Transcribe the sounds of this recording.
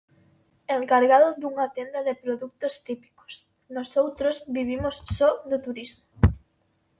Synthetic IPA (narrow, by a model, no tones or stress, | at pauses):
eŋkaɾɣaðʊðuŋat̪end̪ɐðɪpɾoðuk̚t̪ost̪ipi̥ko̥s | nɔsowt̪ɾozβiβimʊssɔðʊt̪uɾizmo